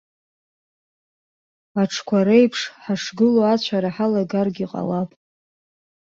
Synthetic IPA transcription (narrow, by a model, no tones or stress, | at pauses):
aʈ͡ʂʰkʷʰaɾejpʰʂħaʂɡɨloat͡ɕʷʰaɾaħalaɡarɡʲiqʼa̰lapʼ